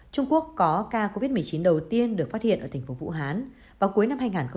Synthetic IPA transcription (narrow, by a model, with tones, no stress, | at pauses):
t͡ɕʊ˧ŋ͡mku˦˥əkːɔ˨˦kaː˧ko˧vi˦˥t̚mɨ˨˩əjt͡ɕi˨˦nɗə˨˩wt̪i˧ənɗɨ˨˩ək̚fa˦˥t̚hḭ˧˨əʔəː˧˩t̪ʰŋ̟fo˨˦vṵ˧˥ɦaː˨˦n | vaː˨˩wku˨˦əjna˧mɦaː˧jŋaː˨˩nxə˧